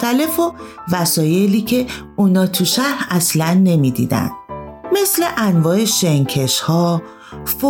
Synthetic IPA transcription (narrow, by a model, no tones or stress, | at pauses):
t̪æle̞fovæsɒːje̞liːcʰe̞ | uːnɒːt̪ʰuʃæɾæslænːe̞mid̪ḭːd̪æ̰nd̪̥̚me̞sleʔænvɒːe̞ʃeŋcʰe̞ʃhɒː | fo